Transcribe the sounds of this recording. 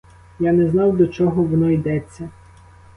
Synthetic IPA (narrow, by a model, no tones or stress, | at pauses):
janɛznɑwd̪ɔt͡ʃɔɦɔʋɔnɔid̪ɛt͡sʲːɐ